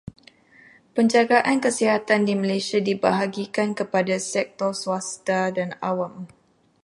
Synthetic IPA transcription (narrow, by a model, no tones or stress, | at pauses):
pəɲd͡ʒaɡaʔankəsiɦat̪andiməlajsiadibaɦaɡikankəpadasɛk̚t̪ɔrsuast̪adanawam